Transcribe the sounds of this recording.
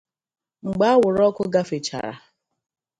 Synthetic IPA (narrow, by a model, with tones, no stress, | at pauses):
ŋ͡m̩˨ɡ͡ba˦a˦wʊ˨ɾɔ˦kʊ˦ɡa˦fɪ˨t͡ʃa̰˨ɾa̰˨